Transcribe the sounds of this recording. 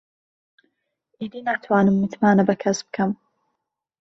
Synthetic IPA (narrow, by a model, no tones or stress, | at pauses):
ʔiːd̪iːnaːt̪ʰwaːnɨmːɨt̪ʰmaːnɐbɐkʰɐsbɨkʰɐm